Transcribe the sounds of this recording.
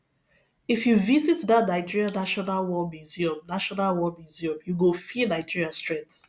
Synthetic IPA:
ifjuvizitdatnaɪd͡ʒiɹianaʃɔnalwɔmiziɔ̃mnaʃɔnalwɔmuziɔ̃mjuɡofinaɪd͡ʒiɹiastɹ̥ɛ̃nt

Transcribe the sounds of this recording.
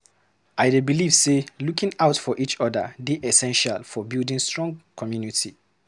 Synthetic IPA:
aɪdebiliv̥selukĩŋaʊtfɔʔit͡ʃɔdə̰deʔɛsɛ̃nʃalfɔbildĩnstɹɔ̃ŋɡkʰɔmjunitʰi

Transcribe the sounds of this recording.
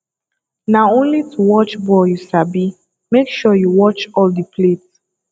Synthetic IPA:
naʊõnlitʰuwɔt͡ʃbɔjusabi | mekʃɔjuwɔt͡ʃɔldipʰlet

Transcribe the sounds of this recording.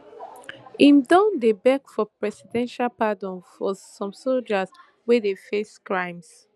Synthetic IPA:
ĩmdɔ̃ndebɛkfɔpɹɛsidɛ̃nʃalpadɔ̃nfɔsɔ̃msold͡ʒaz | wɛdefeskɹãɪ̃ms

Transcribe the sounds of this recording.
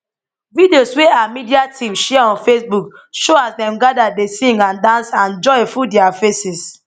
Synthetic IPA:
vidiosweamidiatʰĩmʃɛaɔ̃nfesbukʃoasdɛ̃mɡadadesĩŋɡãndãnsãnd͡ʒɔefudɛafesis

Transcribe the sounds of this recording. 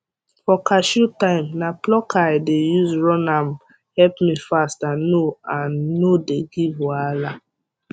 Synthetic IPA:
fɔkaʃutãɪmnaplɔkʰaɪdejuzɹɔ̃nam | hɛlpmifastanoãnːodeɡivwala

